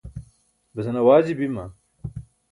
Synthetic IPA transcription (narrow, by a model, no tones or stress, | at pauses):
bɐzɐnɐwaːd͡ʑibimɐ